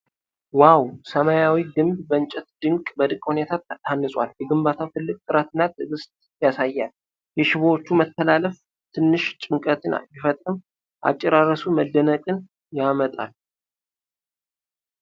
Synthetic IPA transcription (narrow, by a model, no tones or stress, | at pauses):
wawsəmajawiɡɨmbbənt͡ʃʼɛt̪d̪ɨŋkʼbəd̪ɨkʼhune̞t̪ʰat̪t̪ʰanːɨsʼwa̰ljɛɡɨmbat̪ʰawt̪ʰɨlːɨkʼt̪ʼɨɾat̪ʰɨnːat̪ʰʼɨɡɨst̪ʼjasajːal | jɛʃɪβwot͡ʃːumət̪ʰːəlaləf | t̪ʰɨnːɨʃt͡ʃʼɨŋkʼət̪ʰɨna̰jɪfət̪ʼɾɨm | ʔa̰t͡ʃʼːɛɾarːəsuməd̪ːənəkʼɨn | jamət̪ʼa̰l